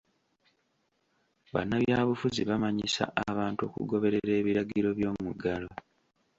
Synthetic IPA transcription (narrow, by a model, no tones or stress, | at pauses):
βa̰nːaβjaːβufuziβamaɲisa̰ʔaβaːntuo̞̰ːkṵɡo̞βe̞ɾe̞ɾe̞ːβiɾaɡiɾo̞βjo̞ːmuɡalo